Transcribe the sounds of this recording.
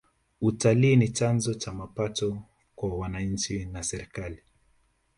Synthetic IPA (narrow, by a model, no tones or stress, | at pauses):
utaliːnit͡ʃanzɔt͡ʃamapatɔ | kwawanaɲ̩t͡ʃinasɛɾikali